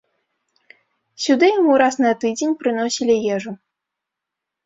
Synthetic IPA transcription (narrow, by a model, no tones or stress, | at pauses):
sʲud̪ɨjamuɾasnɐt̪ɨd͡zʲenʲpɾɨnosʲilʲijɛʐu